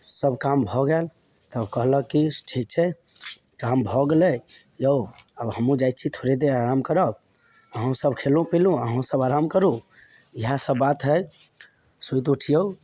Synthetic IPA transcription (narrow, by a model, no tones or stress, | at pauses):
səbkambʱɔɡel | t̪əbkəɦləkːiʈʰik̚t͡ʃʰɛ | kambʱɔɡelə | jəwəbɦəmũd͡ʒajt̪̚ːt͡ʃʰit̪ʰoɾed̪eɾaɾamkəɾəb | əɦũsəbkʰelũpilũəɦũsəbaɾamkəɾu | iɦasəbːat̪ɦəj | sujt̪uʈʰijə